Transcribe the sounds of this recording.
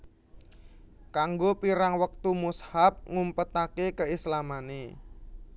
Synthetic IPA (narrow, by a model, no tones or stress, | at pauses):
kaŋɡopiɾaŋwək̚t̪umushap̚ŋumpət̪akekəislamane